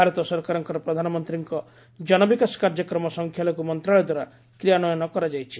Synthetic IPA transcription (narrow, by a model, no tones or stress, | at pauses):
aɾɔt̪ɔsɔɾkaɾɔŋkɔɾɔpɾɔd̪ʱanɔmɔnt̪ɾiŋkɔ | d͡ʒɔnɔbikasɔ̥kaɾd͡ʒɔkɾɔmɔsɔŋkʰjalɔkumɔnt̪ɾaɭɔd̪waɾa | kɾijanɔjɔnɔkɔɾad͡ʒajt͡ʃʰi̥